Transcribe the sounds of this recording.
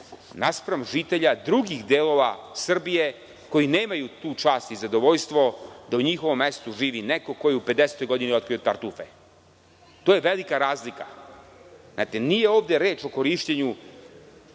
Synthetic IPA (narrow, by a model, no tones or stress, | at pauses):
naspɾamʒit̪e̞ʎad̪ɾuɡixd̪eːlˠo̞ʋasr̩bije̞ | ko̞jineːmajut̪uːt͡ʃaːst̪izad̪o̞ʋoʎst̪ʋo̞d̪auɲixoʋo̞mːest̪uʒiːʋineko̞ko̞jiuped̪ese̥t̪o̞jɡo̞d̪iniot̪kɾijot̪aɾt̪ufe | t̪oːjeʋelikaɾaːzlika | na̰t̪enije̞o̞ːʋd̪eɾeːt͡ʃo̞ko̞ɾiʃt͡ɕeɲu